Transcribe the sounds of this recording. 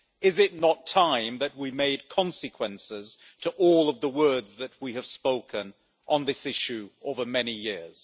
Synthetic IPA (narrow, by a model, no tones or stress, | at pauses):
ɪzɪtⁿnətʰãɪ̃mðɨt̚wimeɪd̚kʰɑ̃nsɨkʰwə̃nsɪz̥ | tʰəʔɔlˠʌvðəwɜ˞dzðɨt̚wiɨv̥spoʊkʰɨ̃n | ʔə̃nðɪsɪʃʉoʊvə˞mɛnijɪɹz̥